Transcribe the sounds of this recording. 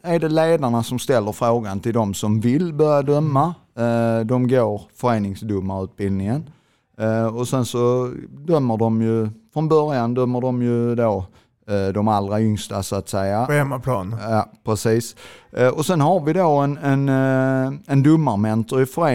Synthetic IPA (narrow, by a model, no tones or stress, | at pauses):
æɾɖɛleːd̪aɳasɔmst̪ɛlːəɾfɾoːɡant̪ʰɪld̪ɔmsɔmvɪlbœɾjad̪œmːa | d̪ɔmɡoːɾfœɾeːnɪŋsd̪ɵmːaʉ̟ːt̪̚bɪld̪ɪŋən | ɔsɛnsɔd̪œmːəɖɔmjɵfɾɔnbœɾjand̪œmːəɖɔmjɵd̪oː | d̪ɔmalɾaʏŋst̪a̰sɔat̪sɛjaɛmːapʰlɑːnjɑːpʰɾɛsiːsɔsɛnhaɾvɪd̪oɛnɛn | ɛnd̪ɵmːaɾmɛnt̪ɔɾɪfœɾeː